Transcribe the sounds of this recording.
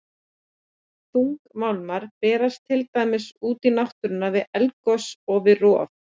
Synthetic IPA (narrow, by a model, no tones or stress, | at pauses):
θuŋkmawlmaɾ̥pɛːɾast̪ʰɪlt̪ajmɪsuːt̪inawht̪ʏɾʏnːavɪðɛlkɔsɔvɪrɔːf